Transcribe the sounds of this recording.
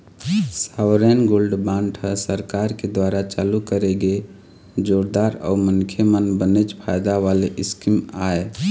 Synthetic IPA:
saʋɾɛnɡolɖbãɳʈʰəsəɾkaɾked̪waɾat͡ʃalukəɾeɡe | d͡ʒoɾd̪aɾɔ̰umənkʰjemənbənet͡ʃpʰajd̪aʋaleʔɪskimae

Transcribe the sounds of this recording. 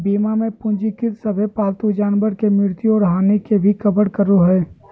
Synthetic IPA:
biːmamẽpʊ̃nd͡ʒikɪt̪səbʱepaːlt̪ud͡ʒaːnbəɾkemɪɾt̪juɔːɾɦaːnekebʱikəbəɽkəɾoɦɛː

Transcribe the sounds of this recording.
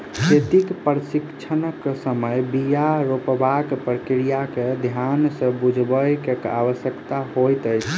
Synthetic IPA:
ket̪ikpɾəsikt͡ʃʰənəkːsəməjbijaɾopbakpɾəkɾijaked̪ʱjansə̃bud͡ʒʱbəjkekaʋəsjəkt̪aɦojt̪əjt͡ʃʰ

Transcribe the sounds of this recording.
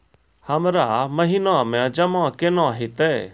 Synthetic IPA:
hɐmɾamɐɦinãmɛ̃d͡ʒɐmãkɪnɔ̃ɦɪt̪ɛ

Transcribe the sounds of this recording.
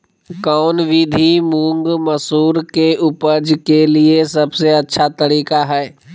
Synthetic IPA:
kɔːnʋiːd̪ʱimũːŋɡmɐsuːɾkeʊpəɾd͡ʒkeliesɐbseɐtːʃʰat̪ɐɾiːkaɦɛː

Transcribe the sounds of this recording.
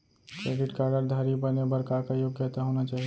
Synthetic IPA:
kɾeɖiʈkaəɡəɾd̪ʱəɾibənebəɾkakajoɡjət̪aɦonat͡ʃaːɦi

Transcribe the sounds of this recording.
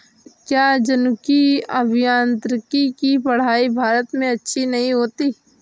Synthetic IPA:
kjaːd͡ʒɐnʊkiɐbʱɪjãːnt̪ɾɪkikipɐɽ̤aːibʱaːɾət̪mẽɐtːʃʰinɐɦĩɦoːt̪iː

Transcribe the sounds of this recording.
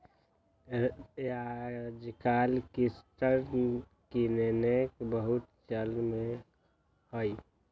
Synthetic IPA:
ad͡ʒkalkisʈəɾ | kinenekbəɦut̪t͡ʃəlme | həj

